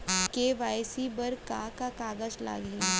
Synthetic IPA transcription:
keːʋaːjsibɐɾkakakaːɡəd͡ʒla̰ːɡĩ

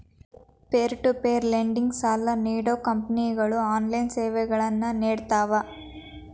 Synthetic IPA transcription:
peːɾʈupeːɾleːɳɖiŋɡsaːlːɐniːɽoːkɐmpɐniːɡɐɭuaːnlɐjnseːʋeːɡɐɭɐnːɐneːɽt̪aːʋa

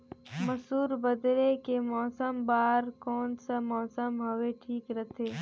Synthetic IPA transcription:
mɐsuːɾbəd̪ɾekemɔːsəmbaːɾkɔːnsamɔːsəmɦɐʋeʈʰiːkɾɐt̪ʰeː

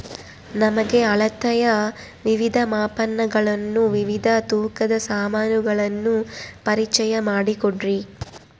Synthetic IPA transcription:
nɐmɐɡe̞ɐɭɐt̪ɐjɐ | ʋiʋid̪ʱɐmaːpɐnːɐɡɐɭɐnːuʋiʋid̪ʱɐt̪uːkɐd̪ɐsaːmaːnuɡɐɭɐnːupɐɾit͡ʃɐjɐmaːɽikoɖɾi

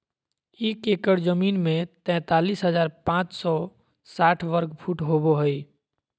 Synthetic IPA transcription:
ikekəɾd͡ʒəminmẽt̪ɛ̃t̪alisɦəd͡ʒaːɾpãt͡ʃsɔ | saʈʰʋəɾkpʰuʈɦoboɦəj

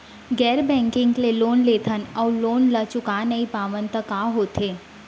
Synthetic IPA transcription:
ɡɛːɾbɛ̃ːŋkɪ̃ŋɡleloːnleːt̪ʰənɔːɾloːnlət͡ʃʊkaːnəipaːʋənt̪əkaːɦoːt̪ʰeː

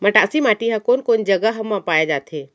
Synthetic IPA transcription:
məʈaːsimaːʈiɦãkoːnkoːnd͡ʒɐɡəɦɐmːãpaːjed͡ʒaːt̪ʰɦeː

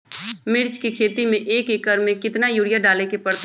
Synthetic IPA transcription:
mɪɾt͡ʃkikʰeːt̪imẽʔeːkekəɾmẽkɪt̪najuːɽijaɖaːlekepɐɽt̪

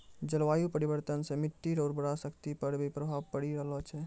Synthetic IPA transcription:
d͡ʒəlʋaːjupəɾibəɾt̪ənsẽmɪʈ̪ːiɾɔːɾbəɽasəkt̪ipəɾbʱipɾəbʱaːbpəɽiɾəɦlɔt͡ʃʰɛ

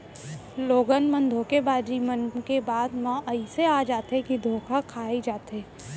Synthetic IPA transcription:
loːɡənmə̃nd̪ʱõkebaːd͡ʒimənkebaːd̪mãʔɐiseaːd͡ʒaːt̪ɦekid̪ʱoːkʰakʰaːid͡ʒaːt̪ɦeː

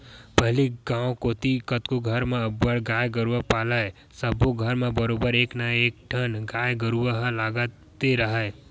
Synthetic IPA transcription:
pəɦliɡãːõkoːt̪ikət̪koɡʱəɾmeəbːəɽɡaːjɡəɾuwəpaːlae | səboɡʱəɾmẽbəɾoːbəɾeːknəeːk̚ʈʰənɡaːjɡəɾuwəɦlaːɡə | t̪eɾəɦə

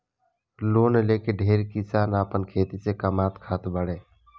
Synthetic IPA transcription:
lonlekeɖʱeɾkisanapənkʰet̪isekəmat̪kʰat̪bəɽe

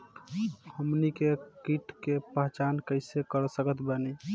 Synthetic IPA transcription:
həmnikekiʈkepəɦt͡ʃankəɪsekəɾsəkət̪bəni

